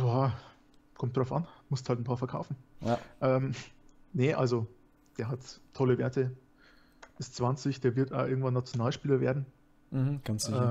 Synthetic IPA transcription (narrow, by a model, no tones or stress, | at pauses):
jaː | kʰɔmtd̥ʁaʊfʔa̰nmʊsthaltn̩pʰaːɐfɛɐkʰa̰ʊfn̩aʔɛːmnəʔa̰lzo | d̥eːɐɦatʰːɔləveːɐtə | ʔɪstt͡sv̥ant͡sɪçd̥eːɐvɪɐta̰bʔɪɐɡŋ̩tv̥anːat͡sjonaːlʃpiːlɐveːɐdn̩ | h̩ɡ̥ansɪɛː